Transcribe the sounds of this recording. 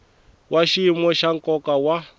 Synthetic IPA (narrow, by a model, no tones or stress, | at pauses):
wʔaʃiimɔʃaŋ̩kɔkawa